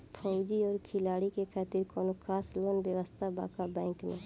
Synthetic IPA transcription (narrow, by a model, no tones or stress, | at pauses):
pʰɔʊd͡ʒiɔːɾkʰɪlaːɽikekʰaːt̪ɪɾkɔːnokʰaːslonbjəʋəst̪ʰaba̰ːkabɛ̃ːŋknẽː